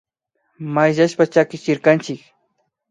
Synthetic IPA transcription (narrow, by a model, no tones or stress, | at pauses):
majʒaʃpat͡ʃakɪt͡ʃɪɾkant͡ʃɪk